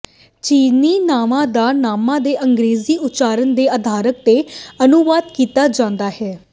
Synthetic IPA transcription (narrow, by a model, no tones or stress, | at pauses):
t͡ʃiːniːnaːmãːd̪aːnaːmãːd̪eːʔəŋɡɾeːziːʊtːt͡ʃaːɾənd̪eːaːd̪ʱaːɾək̚t̪eːənuʋaːd̪kiːt̪aːd͡ʒãːnd̪aːɦɛː